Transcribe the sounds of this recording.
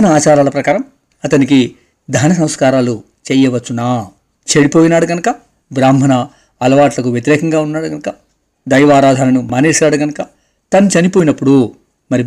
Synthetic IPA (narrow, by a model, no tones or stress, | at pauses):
nɐaːt͡ʃaːɾaːlɐpɾɐkaːɾɐm | ɐt̪ɐnik̬i | d̪ʱaːnɐs̬ɐ̃mskaːɾaːlu | t͡ʃɛːjɐʋɐt͡ʃːunaː | t͡ʃeɽipo̞ːjinaːɽuɡɐnɐkɐ | bɾaːmɐnɐ | ɐlɐʋaːʈlɐkuʋjet̪̬iɾɛːkɐŋɡaːunːaːɽuɡɐnɐkɐ | d̪ɐjʋaːɾaːd̪ʱaːnɐnumaneːʂaːɽuɡɐnɐkɐ | t̪ɐnut͡ʃɐnipoːjinɐpːuɽu | mɐɾi